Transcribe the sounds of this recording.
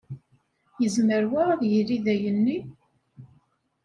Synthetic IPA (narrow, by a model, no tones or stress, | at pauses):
jəzməɾwaðjiɾiðæjənːi